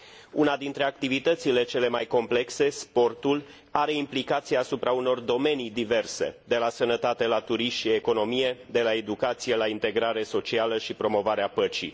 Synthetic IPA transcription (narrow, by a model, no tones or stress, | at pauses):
unad̪int̪ɾe̞ak̚t̪ivit̪ət̪sile̞t͡ʃe̞le̞majko̞mple̞kse̞spo̞rt̪ul | aɾe̞implikat̪sijaːsupɾauno̞rd̪o̞me̞nid̪ive̞rse̞̰d̪e̞lasənət̪at̪e̞lat̪uɾiʃieko̞no̞mije̞d̪e̞lae̞d̪ukat̪sije̞laint̪e̞ɡɾaɾe̞so̞t͡ʃialəʃipɾo̞mo̞vaɾeapət͡ʃḭ